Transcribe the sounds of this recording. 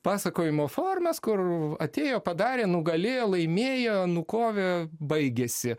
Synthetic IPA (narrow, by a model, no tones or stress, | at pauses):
pɑːsɐkoːjɪmoːfoːrmʲɐskʊrɐt̪ʲeːjoːpɐd̪ɑːɾʲeːnʊɡɐlʲɪlˠɐɪmʲeːjonʊkoːʋʲebɐɪɡʲeːsʲɪ